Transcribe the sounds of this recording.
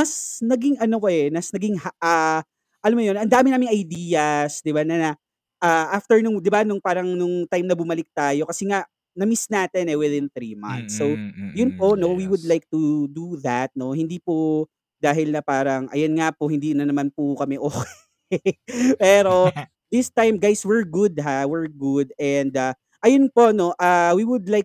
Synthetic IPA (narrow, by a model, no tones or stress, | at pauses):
mɐsnɐɡɪŋʔɐno̞poʔɛnɐsnɐɡɪŋhaʔa | ʔɐlɐmɐjonɐnd̪aːmɪnaːmɪŋʔɐjd̪iːjɐsd̪ɪbanɐɐ | ʔaʔaft̪ɛɹnʊŋd̪ɪbanʊŋpaːɾɐŋnʊŋt̪ajmnɐbʊmɐlɪk̚t̪aːjo̞kɐsɛŋaʔ | nɐmisnaːt̪ɛnɛwɪðɪnθɾimɐ̰nt̪sːowjʊnpo̞no̞wiwʊd̪lajk̚t̪ud̪uðɐt̪̚no̞hɪnd̪ipo | d̪aːɦɪlnɐpaːɾɐŋʔɐ̰jonŋapohɪnd̪iːnɐnɐmanpʊkɐmɛʔoːkɛ | pɛːɾo̞ | ðɪst̪ajmɡajswɛɹɡʊd̪̚ɦawɛɹɡʊd̪ɛnd̪a | ʔɐjonpo̞no̞ʔaːwiwʊd̪lajk̚